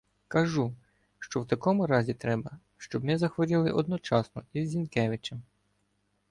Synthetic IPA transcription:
kɐʒu | ʃt͡ʃɔwt̪ɐkɔmʊɾɑzʲit̪ɾɛbɐ | ʃt͡ʃɔbnɪzɐxʋɔɾʲilˠɪʔɔd̪nɔt͡ʃɑsnɔizːʲinkɛʋɪt͡ʃɛm

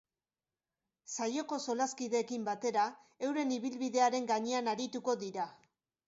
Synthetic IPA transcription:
sajo̞ko̞so̞laskiðe̞ːkimbat̪e̞ɾa | e̞wɾe̞niβilβiðe̞aɾe̞ŋɡaɲe̞anaɾit̪uko̞ðiɾa

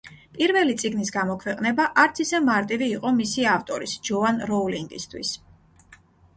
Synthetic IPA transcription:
pʼiɾvɛlit̪sʼiɡnisɡamɔkʰwɛqʼnɛbaʔaɾt̪sʰisɛmaɾt̪ʼiviːqʼɔmisiaft̪ʼɔɾisd͡ʒɔvanɾɔliŋɡḭst̪ʰwḭs

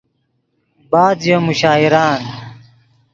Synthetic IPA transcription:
baːd̪jomuɕaːiɾaːn

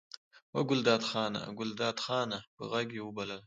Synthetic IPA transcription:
wɐɡʊld̪ɑːt̪xɑːna̰ɡʊld̪ɑːt̪xɑːnapə̰ɣɐɡewubɐlal

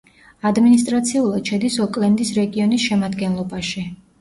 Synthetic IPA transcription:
ad̪minis̬t̪ʼɾat̪sʰiulˠad̪̥ʃɛd̪isɔkʼlɛnd̪isɾɛɡiɔnisʃɛmad̪ɡɛnlˠɔbaʃi

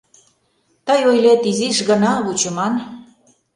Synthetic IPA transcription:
t̪əjojlet̪iziʃɣənɑβut͡ɕə̆mɑn

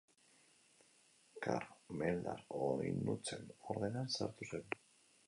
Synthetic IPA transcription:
kʰaɾmeld̪aɾojnːut͡se̞noɾðe̞nansa̰ɾt̪usenu

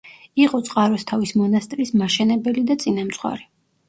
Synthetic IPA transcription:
iqʼɔt̪sʼqʼaɾɔst̪ʰavismɔnast̪ʼɾismaʃɛnɛbɛlid̪at̪sʼinamt̪sʼχwa̰ɾi

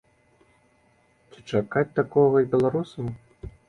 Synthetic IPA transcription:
t͡sʲit͡ʂakat͡sʲt̪akɔɣɐibʲɛlˠaɾusɐ

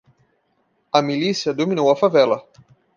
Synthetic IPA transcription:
ɐmilisiɐd̪ominowɐfavɛlɐ

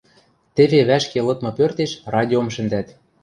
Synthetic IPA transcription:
t̪eβeβæʃkelɤ̆t̪mɤ̆pørt̪eʃrɑd̪ʲiomʃɘ̆nd̪æt̪

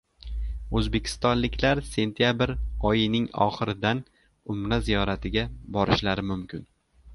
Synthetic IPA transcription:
ɵzbe̞kʲʰɪ̥st̪ɒnlɪkʲlaɾse̞nt̪ʰijabɪɾɒjɪnɪŋɒ̰χɨɾɪd̪an | ʊmɾazijɒɾat̪ʰɪɡʲabɒɾɪʃlaɾɪmʊmkʲɪn

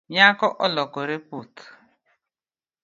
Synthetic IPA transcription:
ɲakɔʔɔlɔkɔɾeput

